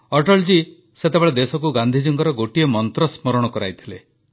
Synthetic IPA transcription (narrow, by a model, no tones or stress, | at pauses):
ɔʈɔɭd͡ʒi | set̪ebeɭed̪esɔk̬uɡand̪ʱid͡ʒuŋkɔɾɔɡoʈiemɔnt̪ɾɔsmɔɾɔɽ̃ɔkɔɾa̰jt̪ʰile